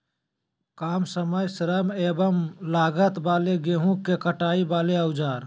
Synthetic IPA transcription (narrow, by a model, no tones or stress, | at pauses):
kaːmsəməjsɾəmeːbəmlaːɡət̪baːleɡeːɦũkːekəʈaːibaːleəʊd͡ʒaːɾ